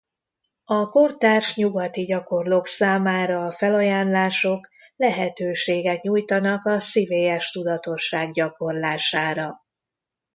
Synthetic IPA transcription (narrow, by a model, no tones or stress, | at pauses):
ɒko̞rt̪aːrʃɲuɡɒt̪iɟɒko̞rloːksaːmaːɾɒːfɛlɒjaːnlaːʃo̞k | lɛɦɛt̪øːʃeːɡɛkɲujt̪ɒnɒkɒsiveːjɛʃt̪ud̪ɒt̪o̞ʃːaːɡɟɒko̞rlaːʃaːɾɒ